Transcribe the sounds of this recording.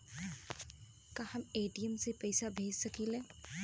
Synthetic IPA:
kahɐmeːʈijəmsepɛːɪsabʱeːd͡ʒsɐkiːleː

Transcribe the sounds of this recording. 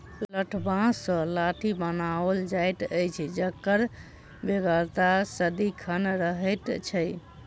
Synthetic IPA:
ləʈʰbãsə̃laʈʰibənaəld͡ʒajt̪əjt͡ʃʰd͡ʒəkːəɾ | beɡəɾt̪asəd̪ikʰənɾəɦəjt̪t͡ʃʰəj

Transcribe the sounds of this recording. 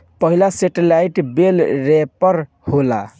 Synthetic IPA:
pʌɦilaseʈelaiʈbelɾepəɾ | hola̰

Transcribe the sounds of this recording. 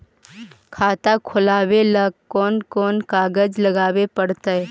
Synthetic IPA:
kʰaːt̪akʰʊlaːweləɡkɔːnkɔːnkaːɡəd͡ʒləɡaːwepəɽt̪aɦɛ

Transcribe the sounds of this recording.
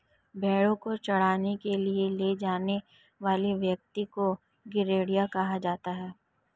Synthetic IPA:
bɛːɽõkot͡ʃɐɽ̤aːnekelieled͡ʒaːne | ʋaːliʋjɐk̚t̪iko | ɡɪɾeːɽijakɐɦad͡ʒaːt̪aɦɛː

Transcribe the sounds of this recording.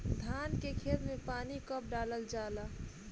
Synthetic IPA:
d̪ʱaːnkekʰeːt̪mẽpaːnikəp̚ɖaːləld͡ʒaːlaː

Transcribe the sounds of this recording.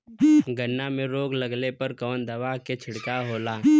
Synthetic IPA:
ɡənːamẽɾoːɡlɐɡlepɐɾkɔːnd̪ɐʋaːket͡ʃʰɪɽkaɦoːlaː

